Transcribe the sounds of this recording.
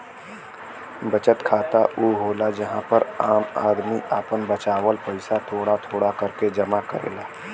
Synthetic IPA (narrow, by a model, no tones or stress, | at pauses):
bət͡ʃət̪kʰaːt̪aʔuːɦoːlad͡ʒɐɦãpəɾaːma̰ːd̪miʔaːpənbət͡ʃaːwəlpəɪsat̪ʰoːɽat̪ʰoːɽakɐɾked͡ʒɐmakə̰ɾḛːlaː